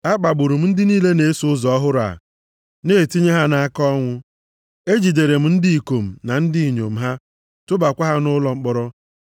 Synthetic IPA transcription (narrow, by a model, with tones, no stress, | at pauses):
a˦k͡pa˨ɡ͡bʊ˨ɾu˨m̩˦n̩˦dɪ˦niː˦le˦ne˨e˦sʊ˦zɔ˨ɔ˦ɦʊ˦ɾa̰˨ | neː˦˨ti˦ɲe˦ɦa˦na˦kɔ˦ŋʷʊ˦ | e˦d͡ʒi˨de˨ɾe˨m̩˦n̩˦dɪ˦i˨ko˨m̩˨na˨n̩˦dɪ˦i˨ɲo̰˨m̩˨ɦa˦ | tʊ˦ba˨kʷa˦ɦa˦nʊ˦lɔ˦ŋ͡m̩˦k͡pɔ˦ɾɔ˦